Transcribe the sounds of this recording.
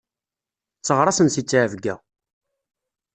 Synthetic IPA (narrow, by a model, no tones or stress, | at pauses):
t͡sːəʁɾˤɑsənsit͡sːʕəvɡæ